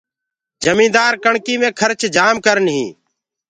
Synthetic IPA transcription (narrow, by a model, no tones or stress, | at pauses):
d͡ʒəmĩːd̪aːɾkəɳkiːmẽːkʰəɾt͡ʃd͡ʒaːmkəɾənɦḭ̃ː